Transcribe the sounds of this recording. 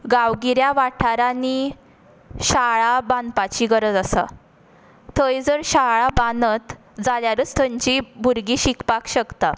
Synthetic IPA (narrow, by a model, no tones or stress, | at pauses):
ɡawɡiɾjaʋaʈʰaɾani | ɕaɭaband̪pat͡ɕiɡəɾəd͡zasa̰ | t̪ʰəjd͡zəɾɕaɭabanət̪ | d͡zaljaɾət͡st̪ʰəɲt͡ɕibʱuɾɡiːɕikpakɕəkt̪a